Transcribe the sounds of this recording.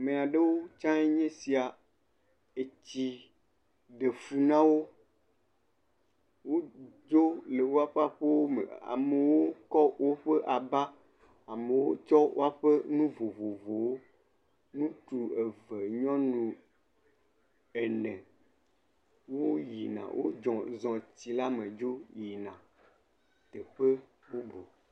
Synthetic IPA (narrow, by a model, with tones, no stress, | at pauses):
mẽ˨a˨ɖe˦wo˦t͡ʃã˦e˦ɲɛ̃˦si˨a˨ | e˨t͡ɕi˨ | ɖe˨fu˨nã˦wo˦ | wo˦d͡ʒo˦le˨wo˦a˨ɸe˦a˨ɸe˦wo˦mḛ˨a̰˨me˨wo˦kɔ˦wo˦ɸe˦ʔa˨ba˦ | a˨me˨wo˦t͡ʃɔ˦wo̰˦a˨ɸe˦nũ˦vo˨vo˨vo˨wo˦ | nũ˦tu˨e˨ve˨ɲɔ̃˦nũ˨ | e˨nɛ̃˨ | wo˦ji˨nã̰˨wʔo̰˦d͡ʒɔ̃˨zɔ̃˨t̪i˨la˦mẽ˨d͡ʒo˦ji˨nã˨ | t̪ɛ˨ɸe˦ | wo˦bo˨